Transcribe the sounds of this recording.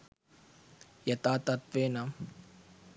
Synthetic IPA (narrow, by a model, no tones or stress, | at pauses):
jɐt̪aːt̪ɐt̪ʋeːnam